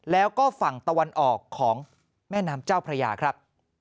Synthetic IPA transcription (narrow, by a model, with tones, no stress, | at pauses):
lɛː˦˥wkɔː˥˩fa˨˩ŋt̪a˧wa˧nʔɔː˨˩kʰːɔː˩˦ŋ | mɛː˥˩naː˦˥mt͡ɕaː˥˩wpʰɾa˧ja̰ː˧kʰɾa˦˥p̚